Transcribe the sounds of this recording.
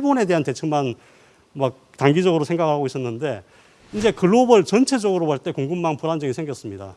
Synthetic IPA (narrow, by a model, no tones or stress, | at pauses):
iɭbone̞de̞ɦante̞t͡ɕʰɯŋman | mak̚ | taŋɡid͡ʑʌɡɯɾosʰe̞ŋɡakɯɭhaɡois͈ʌnːɯnde̞ | ind͡ʑe̞kɯɭːobɯɭt͡ɕʌnt͡ɕʰe̞d͡ʑʌɡɯɾowaɭt͈e̞koŋɡɯmːanpuɾand͡ʑʌɡisʰe̞ŋɡjʌs͈ɯmɲida̰